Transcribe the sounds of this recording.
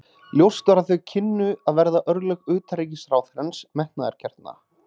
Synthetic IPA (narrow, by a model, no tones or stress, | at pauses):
ljowst̪aɾaðθœɥcʰɪnːʏaðvɛɾðaʔœɾðlœkʏːt̪ʰaɾeːc̬ɪsɾaːwθɾɛnsmɛht̪naðɛ̰ɾ̥cʰɛr̥t̪na̰